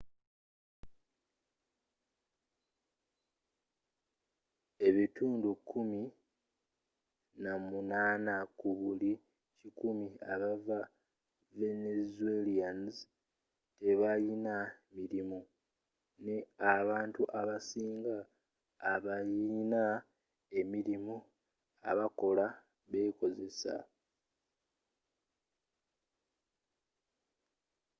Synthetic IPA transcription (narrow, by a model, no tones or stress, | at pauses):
e̞βituːndukʰːumi | namunaːnakuβuli | cikumiaβava | ve̞nezuelianz | te̞βajinamiɾimu | ne̞aβaːntuʔaβasiːŋɡaː | βajina | e̞miɾimu | a̰βako̞la | βe̞ko̞ze̞sa̰